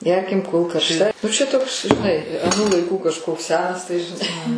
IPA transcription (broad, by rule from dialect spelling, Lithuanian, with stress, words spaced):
ˈɡʲɛrʲkʲɪm koːlˠ kɐrʃˈtɐ nʊ t͡ʃʲɛ toːks ʒʲɪˈnɐɪ ɐˈnuː lˠɐɪˈkuː kɐʃˈkoːks ˈsʲæːnɐs tɐɪ ʒʲɪˈnɐɪ